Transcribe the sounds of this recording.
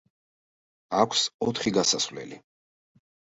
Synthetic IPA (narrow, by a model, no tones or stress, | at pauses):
akʷʰsɔt̪ʰχiɡasasvlɛ̰li